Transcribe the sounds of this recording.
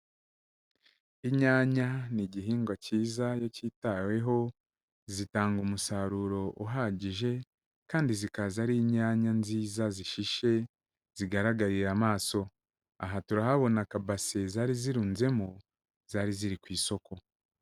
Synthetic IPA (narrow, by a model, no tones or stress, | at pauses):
iɲaːɲaniɟiɦiːŋɡwaciːzajo̞citawe̞ɦo̞ | zitaːŋɡumusaɾuɾo̞ʔuɦaɟiʒe̞ | kaːndizikazaɾiɲaːɲanziːzaziʃiʃe̞ | z̥iɡaɾaɡaɾiɾamaːso̞ | a̰ɦatuɾahaβo̞nakabase̞zaːɾiziɾuːnze̞mu | z̥aːɾiziɾikwiːso̞ko̞